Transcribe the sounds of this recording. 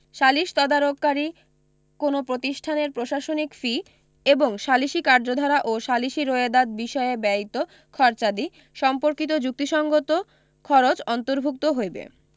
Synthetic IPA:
ʃaliʃt̪ɔd̪aɾokːaɾi | konopɾot̪iʃʈʰaneɾpɾoʃaʃonikfi | eboŋʃaliʃikaɾd͡ʑod̪ʱɔɾaʔoʃaliʃiɾoed̪ad̪̚biʃɔebɛit̪o | kʰɔɾt͡ɕad̪i | ʃɔmpoɾkit̪̬od͡ʑuk̚t̪iʃɔŋɡot̪o | kʰɔɾot͡ɕɔnt̪oɾbʱuk̚t̪oɦojbḛ

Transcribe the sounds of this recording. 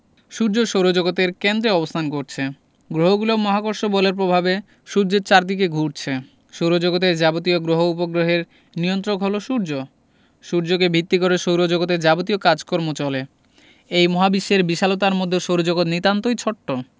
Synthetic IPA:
ʃuɾd͡ʑoʃowɾod͡ʑoɡot̪eɾkend̪ɾeɔbost̪ʰankoɾt͡ɕʰe | ɡɾoɦoɡulomɔɦakoɾʃobɔleɾpɾobʱabe | ʃuɾd͡ʑot͡ɕaɾd̪ikeɡʱuɾt͡ɕʰe | ʃowɾod͡ʑoɡot̪̬eɾd͡ʑabot̪ioɡɾoɦoupoɡɾoɦeɾ | niont̪ɾokɦoloʃuɾd͡ʑo | ʃuɾd͡ʑokebʱit̪ːikoɾeʃowɾod͡ʑoɡot̪̬ed͡ʑabot̪ijokad͡ʑkɔɾmot͡ɕɔle | ejmɔɦabiʃːeɾbiʃalot̪aɾmod̪ʱːeʃowɾod͡ʑoɡot̪nit̪ant̪ojt͡ɕʰɔʈːo

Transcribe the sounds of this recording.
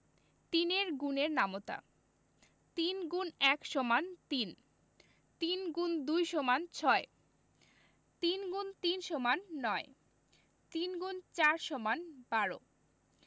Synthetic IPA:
t̪ineɾɡuneɾnamot̪a̰ | t̪inɡunɛkʃɔmant̪in | t̪inɡund̪ujʃomant͡ɕʰɔe | t̪inɡunt̪inʃomanːɔe | t̪inɡunt͡ɕaɾʃɔmanb̥aɾo̰

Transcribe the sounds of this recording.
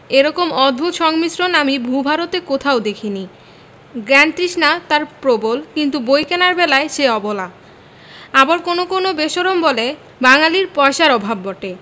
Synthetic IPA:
eɾɔkomɔd̪bʱut̪ʃɔŋmisɾonamibʱubʱaɾot̪ekot̪ʰaod̪ekʰini | ɡɾɛnt̪ɾiʃnat̪aɾpɾobolkint̪ubojkenaɾbɛlaeʃeɔbola | abaɾkonokonobeʃoɾombɔle | baŋaliɾpɔeʃaɾɔbʱabːɔʈe

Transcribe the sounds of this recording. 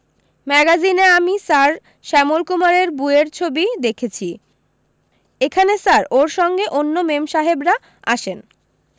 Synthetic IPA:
mɛɡazineamisaɾ | ʃɛmolkumaɾeɾbueɾt͡ɕʰobid̪ekʰet͡ɕʰi | ekʰanesaɾoɾʃɔŋɡeʔonːomemʃaɦebɾa | aʃen

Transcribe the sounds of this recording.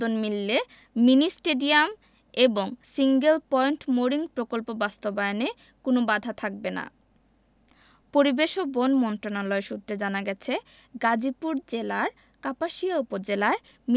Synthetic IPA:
onmilːe | minisʈeɖiam | eboŋsiŋɡelpɔeɳʈmoɾiŋpɾokolpobast̪obajone | konobad̪ʱat̪ʰak̚bena̰ | poɾibeʃobonmɔnt̪ɾonalɔeʃut̪ːɾed͡ʑanaɡɛt͡ɕʰe | ɡad͡ʑipuɾd͡ʑelaɾ | kapaʃiaupod͡ʑelae | m

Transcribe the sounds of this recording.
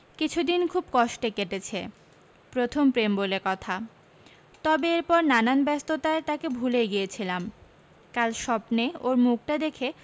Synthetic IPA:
kit͡ɕʰud̪inkʰubkɔʃʈekeʈet͡ɕʰe | pɾot̪ʰompɾembolekɔt̪ʰa | t̪ɔbeeɾpɔɾnananbɛst̪ot̪aet̪akebʱuleɡijet͡ɕʰilam | kalʃɔpneoɾmuk̚ʈad̪ekʰe

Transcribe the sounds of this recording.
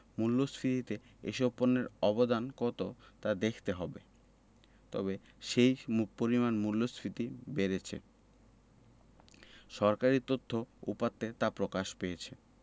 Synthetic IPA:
mulːosfɾit̪it̪e | ḛʃobponːeɾɔbod̪ankɔt̪ot̪ad̪ekʰt̪eɦɔbe | t̪ɔ̰be | ʃejmupoɾimanmulːosfʰɾit̪ibeɾet͡ɕʰḛ | ʃɔɾkaɾit̪ot̪ʰːoṵpat̪ːet̪apɾokaʃpejet͡ɕʰe

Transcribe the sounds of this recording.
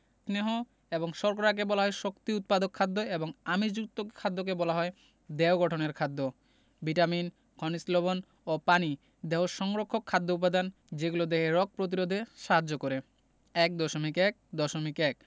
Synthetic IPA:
sneɦo | eboŋʃɔɾk̬oɾak̬ebɔlaɦɔeʃokt̪iut̪̚pad̪okʰːad̪ːoeboŋamid͡ʑuk̚t̪okʰːad̪ːok̬ebɔlaɦɔe | d̪ɛoɡɔʈʰoneɾkʰad̪ːo | biʈamin | kʰɔnisloβon | opani | d̪eɦoʃɔŋɾokʰːokʰːad̪ːoup̬ad̪an | d͡ʑeɡulod̪eɦeɾɔk̚pɾot̪̬iɾod̪ʱeʃaɦad͡ʑːokoɾe | ɛk̚d̪ɔʃomikɛk̚d̪ɔʃomikɛk

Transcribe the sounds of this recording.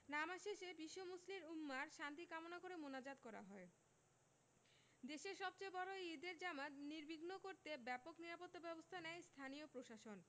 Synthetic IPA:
namaʃeʃebiʃːomusliɾumːaɾʃant̪ikamonakoɾemonad͡ʑad̪kɔɾa̰ɦɔe | d̪eʃeɾʃɔb̚t͡ɕebɔɾoeid̪eɾd͡ʑamat̪niɾbʱiɡnokoɾt̪ebɛpokniɾapot̪ːabɛbost̪ʰanɛjst̪ʰaniopɾoʃaʃon

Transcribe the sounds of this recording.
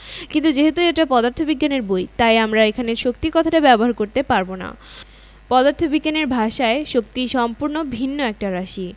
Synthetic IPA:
kint̪ud͡ʑeɦet̪uɛk̚ʈapɔd̪aɾt̪ʰobiɡːaneɾbojt̪ajamɾaekʰaneɾʃok̚t̪ikɔt̪ʰaʈabɛboɦaɾkoɾt̪epaɾbona̰ | pɔd̪aɾt̪ʰobiɡːaneɾbʱaʃaeʃok̚t̪iʃɔmpuɾnobʱinːoɛk̚ʈaɾaʃi

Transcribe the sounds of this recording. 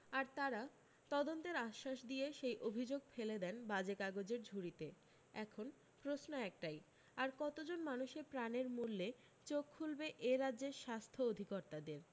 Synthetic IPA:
aɾt̪aɾa | t̪ɔd̪ont̪eɾaʃːaʃd̪ieʃejʔobʱid͡ʑoɡ̚feled̪ɛnbad͡ʑekaɡod͡ʑeɾd͡ʑʱuɾit̪e | ɛkʰon | pɾosnoɛk̚ʈaj | aɾkɔt̪od͡ʑonmanuʃepɾaneɾmulːe | t͡ɕokʰːulbeʔeɾadʑeɾʃast̪ʰood̪ʱikoɾt̪ad̪eɾ

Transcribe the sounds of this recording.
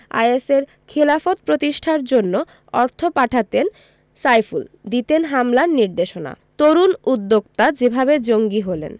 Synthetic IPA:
a̰jeseɾ | kʰelafot̪̚pɾot̪iʃʈʰaɾd͡ʑonːo | ɔɾt̪ʰopaʈʰat̪en | sajfuld̪it̪enɦamlaɾniɾd̪eʃona̰t̪oɾunud̪ːoɡt̪ad͡ʑebʱabed͡ʑoŋɡiɦolḛn

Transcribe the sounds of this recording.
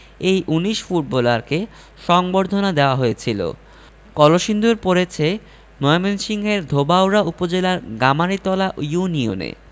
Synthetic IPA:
ejʔuniʃfuʈ̚bɔlaɾke | ʃɔŋboɾd̪ʱonad̪eoaɦojet͡ɕʰilo̰ | kɔloʃind̪ʱuɾpoɾet͡ɕʰe | nɔemenʃiŋɦeɾd̪ʱobawɾaupod͡ʑelaɾɡamaɾit̪ɔlaʔjunio̰nḛ

